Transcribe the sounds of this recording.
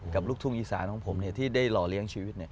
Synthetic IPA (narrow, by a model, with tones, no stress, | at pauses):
ka˨˩p̚luː˥˩k̚t̪ʰu˥˩ŋʔiː˨˩sa̰ː˩˦nkʰɔ˨˩˦ŋpʰo˩˦mni˥˩ɐt̪ʰiː˥˩daː˥˩jlɔː˨˩li˨˦˥əŋt͡ɕʰiː˧wi˦˥t̪̚ni˥˩ɐ